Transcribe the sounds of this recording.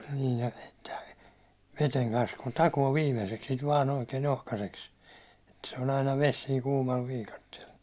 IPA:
niːj jɑ si̥tːɛ ʋeteŋ kɑns kun tɑkoː ʋiːmeseks sit ʋɑːn oikeːn ohkɑseks et se on ɑinɑ ʋes siːŋ kuːmɑl ʋiːkɑtːiel

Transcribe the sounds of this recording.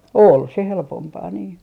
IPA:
ol se helpompɑː niː

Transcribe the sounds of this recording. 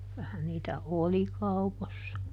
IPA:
kylæhæn niːtæ oli kɑuposːɑ

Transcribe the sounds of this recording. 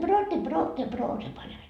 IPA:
broːtːe broːtːe broː se pɑnʲ ɑin

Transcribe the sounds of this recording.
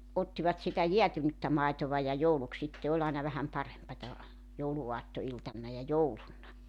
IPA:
otːiʋɑt sitæ jeætynytːæ mɑˑetoʋɑ jɑ jouluk sitːe olʲ ɑenɑ ʋæhæm pɑrempɑtɑ jouluuɑtːoiltɑnːɑ jɑ joulunːɑ

